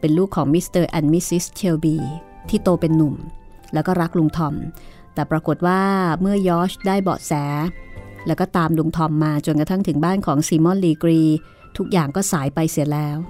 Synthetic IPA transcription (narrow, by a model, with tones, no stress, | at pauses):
pe˧nluː˥˩kʰːɔː˩˦ŋmi˦˥st̪ɤː˧ʔɛ˧nmi˦˥si˦˥st͡ɕʰe˧wbiː˧t̪ʰiː˥˩t̪oː˧pe˧nːu˨˩m | lɛː˦˥wkɔː˥˩ɾa˦˥k̚lu˧ŋt̪ʰɔ˧m | t̪ɛː˨˩pɾa˧ko˨˩t̪̚waː˥˩mɯ˥˩ɐjɔː˦˥sdaː˥˩jbɔ̰ː˨˩t̪̚sɛː˩˦lɛː˦˥wkɔː˥˩t̪aː˧mlu˧ŋt̪ʰɔ˧mːaː˧t͡ɕo˧nka˧t̪ʰa˥˩ŋt̪ʰɯ˩˦ŋbaː˥˩nkʰɔː˩˦ŋsiː˧mɔ˥˩nliː˧kɾiː˧ | t̪ʰu˦˥k̚jaː˨˩ŋkɔː˥˩saː˩˦jpa˧jsi˩˦əlɛː˦˥w